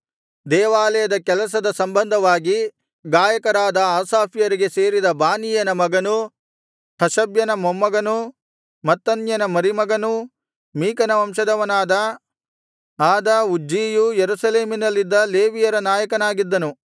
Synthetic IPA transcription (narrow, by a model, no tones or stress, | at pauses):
d̪ɛːʋaːlɐjɐd̪ɐkɛlɐs̬ɐd̪ɐsɐmbɐnd̪ʱɐʋaːɡi | ɡaːjɐkɐɾaːd̪ɐaːsaːpʰijɐɾiɡe̞se̞ːɾid̪ɐbaːnijɐnɐmɐɡɐnu | t̪ʰɐʃɐbjɐnɐmomːɐɡɐnu | mɐt̪ːɐnjɐnɐmɐɾimɐɡɐnu | miːkɐnɐʋɐmʃɐd̪ɐʋɐnaːd̪ɐ | aːd̪ɐud͡ʒiːjujeɾusɐleːminɐlːid̪ːɐleːʋijɐɾɐnaːjɐkɐnaːɡid̪ːɐnu